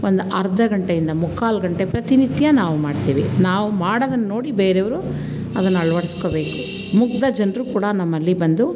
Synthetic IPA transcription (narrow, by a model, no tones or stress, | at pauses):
ond̪uʔɐɾd̪ʱɐɡɐɳʈejind̪ɐmukʰːaːlɡɐɳʈepɾɐt̪init̪jɐnaːʋumaːɽt̪iːʋinaːʋumaːɽɐd̪ɐnːɐno̞ːɽibeːɾeʋɐɾu | ɐd̪ɐnːuɐɭɐʋɐɽiskoːbe̞ːku | muk̚d̪ɐd͡ʒɐnɾukuːɽɐnɐmːɐlːibɐnd̪u